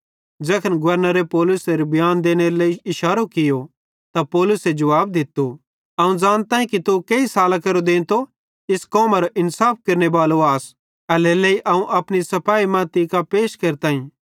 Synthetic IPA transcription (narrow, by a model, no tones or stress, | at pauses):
d͡ʒɛːkʰənɡʊʋəɾnaɾepɔːlʊseɾbʱɪjaːnd̪eːñeɾlɐiɪʃaːɾokɪjo | t̪apɔːlʊsed͡ʒɐʋaːb̚d̪ɪt̪ːo | ɐũd͡ʒaːñt̪ãːĩkit̪ukeisaːlakɐɾod̪ẽːnt̪o | ɪskɔːmaɾoʔɪnsaːp̚kɐɾnebaːloaːs | ɐlelɐiʔɐũʔɐpɽ̃isɐpaːimãːt̪ikapeːʃkɐɾt̪ãːĩː